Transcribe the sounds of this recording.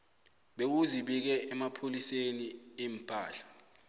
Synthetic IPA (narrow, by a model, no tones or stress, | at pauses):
ɓek̬uziɓik̬ɛɛmapʰoliseniem̩pʼaːɬḁ